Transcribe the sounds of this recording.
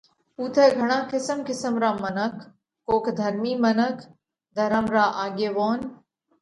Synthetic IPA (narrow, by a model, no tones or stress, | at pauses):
uːt̪ʰɛːɡʱəɽ̃ãːkɪsəmkɪsəmɾaːmənəkʰː | oːkʰd̪ʱəɾmiːmənəkʰ | d̪ʱəɾəmɾaːʔaːɡeːʋoːn